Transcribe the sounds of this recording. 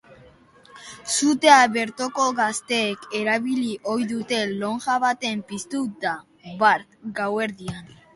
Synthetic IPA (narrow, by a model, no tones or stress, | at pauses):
sut̪e̞aβe̞ɾt̪o̞ko̞ɣast̪e̞ːke̞ɾaβiliʔo̞jðut̪e̞lo̞ŋʝaβat̪e̞mpist̪ut̪a | βaɾt̪ɡawe̞ɾðian